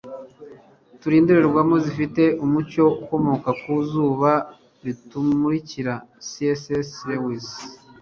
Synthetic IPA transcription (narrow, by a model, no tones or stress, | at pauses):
tuɾiːnduɾeɾɡwamozifite̞ʔumuco̞uko̞mo̞kakuzuːβa | βitumuɾiciɾasiesesɾewis